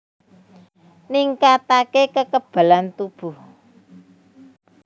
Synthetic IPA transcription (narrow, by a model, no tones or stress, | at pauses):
niŋkat̪akekəkəb̥a̤lant̪ub̥ṳh